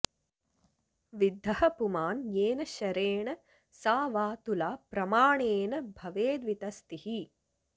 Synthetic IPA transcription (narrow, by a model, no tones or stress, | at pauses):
ʋid̪ʱːɐhɐpumaːnjeːnɐʃɐɾeːɳɐ | saːʋaːt̪ulaːpɾɐmaːɳeːnɐbʱɐʋeːd̪ʋit̪ɐst̪ihi